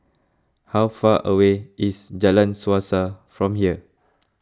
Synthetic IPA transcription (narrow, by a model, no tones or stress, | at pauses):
hawfaʔəweʔisd͡ʒalãnsuasafɹɔ̃mhiə